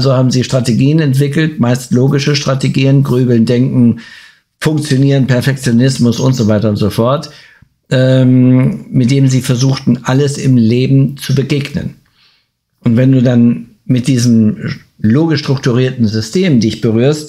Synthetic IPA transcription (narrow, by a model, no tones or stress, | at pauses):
ʔalzohaːbm̩ziːʃtʁ̥ateɡiːənɛntv̥ɪkl̩tmaɪstloːɡɪʃəʃtʁ̥ateɡiːənɡʁyːbl̩ndɛŋkŋ̩ | fʊŋk̚t͡sjoniːʁənpɛɐfɛk̚t͡sjonɪsmʊsʊntz̥ovaɪtɐʊntz̥ofɔɐt | ʔɛ | mɪt̚d̥eːnəmziːfɛɐzuːxtn̩ʔaləsɪmleːbm̩t͡subəɡeːɡnə̰n | ʔʊntv̥ɛnduːdan | mɪt̚d̥iːzəm | loːɡɪʃtʁ̥ʊk̚tuʁiːɐtn̩zʏstʰeːmdɪçb̥əʁyːɐst